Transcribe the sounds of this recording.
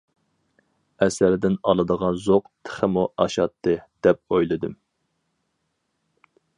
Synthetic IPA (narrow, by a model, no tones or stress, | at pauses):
ɛsæɾd̪ɪnɑlˠɨd̪əʁɑnzoqt̪ʰɪ̥χɪmuʔɑʃɑt̪ʰːɨd̪̥ɛp̚ojlˠɨd̪ɨm